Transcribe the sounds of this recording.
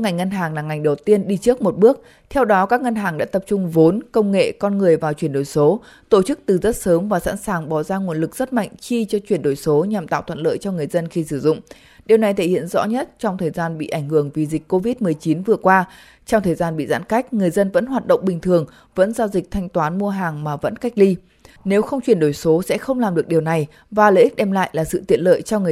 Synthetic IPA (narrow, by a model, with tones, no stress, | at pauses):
ŋa˨˩jŋ̟ŋə˧nɦaː˨˩ŋlaː˨˩ŋa˨˩jŋ̟ɗə˨˩wt̪i˧ənɗi˧t͡ɕɨ˦˥ək̚mo˨˩t̚ɓɨ˦˥ək̚ | t̪ʰɛ˧wɗɔ˨˦kaː˦˥k̚ŋə˧nɦaː˨˩ŋɗa̰ː˧˥t̪ə˨˩p̚t͡ɕʊ˧ŋ͡mvo˨˦nkə˧wŋ͡mŋḛ˧˨kɔ˧nŋɨ˨˩əjvaː˨˩wt͡ɕwi˧˩ənɗo˧˩jso˨˦ | t̪o˧˩t͡ɕɨ˦˥k̚t̪ɨ˨˩zə˦˥t̚səː˨˦mvaː˨˩sa̰ː˧˥nsaː˨˩ŋɓɔ˨˩zaː˧ŋu˨˩ənlɨ˨˩k̚z̥ə˦˥t̚ma̰˧˨jŋ̟t͡ɕi˧t͡ɕɔ˧t͡ɕwi˧˩ənɗo˧˩jso˨˦ɲa˨˩mt̪a̰ː˧˨wt̪ʰə̰˧˨nlə̰ː˧˨jt͡ɕɔ˧ŋɨ˨˩əjzə˧nxi˧sɨ˧˩zʊ̰˧˨ŋ͡m | ɗi˨˩əwna˨˩jt̪ʰe˧˩hḭ˧˨ənzɔ̰˧˥ɲə˦˥t̚t͡ɕɔ˧wŋ͡mt̪ʰəː˨˩jzaː˧nɓḭ˧˨ʔa˧˩jŋ̟hɨ˧˩əŋvi˨˩zi˨˩k̟̚ʲko˧vi˦˥t̚mɨ˨˩əjt͡ɕi˨˦nvɨ˨˩əkwaː˧ | t͡ɕɔ˧ŋ͡mt̪ʰəː˨˩jzaː˧nɓḭ˧˨za̰ː˧˥nka˦˥jk̟̚ŋɨ˨˩əjzə˧nvə̰˧˥nɦwaː˨˩t̚ɗə̰˧˨wŋ͡mɓï˨˩ŋ̟t̪ʰɨ˨˩əŋ | və̰˧˥nzaː˧wzï˨˩k̟̚t̪ʰa˧jŋ̟t̪waː˨˦nmu˧əɦaː˨˩ŋmaː˨˩və̰˧˥nka˦˥jk̚li˧ | ne˨˦wxə˧wŋ͡mt͡ɕwi˨˩ənɗo˧˩jso˨˦sɛ̰˧˥xə˧wŋ͡mlaː˨˩mɗɨ˨˩ək̚ɗi˨əwna˨˩j | vaː˨˩lə̰˧˥ʔi˦˥k̟̚ɗɛ˧mla̰ː˧˨jlaː˨˩sɨ̰˧˨t̪ḭ˧˨ənlə̰ː˧˨jt͡ɕɔ˧ŋ˨˩